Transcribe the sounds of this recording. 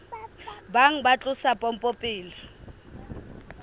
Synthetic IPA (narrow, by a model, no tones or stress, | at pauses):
baŋ̩bat͡ɬʼʊsapʼɔm̩pʼopʼiːlɪ